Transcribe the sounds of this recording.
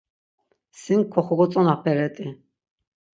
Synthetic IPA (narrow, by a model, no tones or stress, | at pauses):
sinkʰɔχɔɡɔt͡sʼɔnapʰɛɾɛt̪ʼi